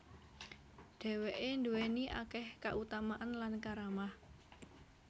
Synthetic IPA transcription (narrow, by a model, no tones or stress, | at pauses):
ɖ̥ɛ̤weʔend̪uweniʔa̰kɛhkaʔut̪amaʔanlankaɾamah